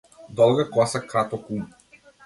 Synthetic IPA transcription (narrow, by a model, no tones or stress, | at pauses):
d̪ɔlˠɡakɔsakɾat̪ɔkum